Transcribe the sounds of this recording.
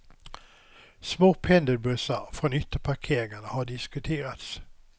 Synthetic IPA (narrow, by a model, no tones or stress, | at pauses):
smoːpʰɛnd̪əɾbɵsafɾɔnʏt̪ːəpʰaɾkʰeːɾɪŋanəhaɖɪskɵt̪ʰeːɾat̪s